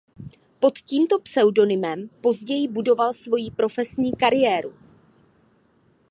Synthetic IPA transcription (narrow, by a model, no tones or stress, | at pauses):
po̞t̪ciːmt̪o̞psɛwdo̞nɪmɛmpo̞zɟɛjɪbudo̞valsvo̞jipɾo̞fɛsɲiːkaɾɪjɛːɾu